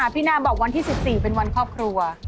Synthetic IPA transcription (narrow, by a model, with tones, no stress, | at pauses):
aː˩˦pʰiː˦˥naː˧˥˩bɔː˨˩wa˧nt̪ʰiː˥˩si˨˩p̚siː˨˩pe˧nwa˧nkʰɾɔː˥˩p̚kʰɾu˧ɐ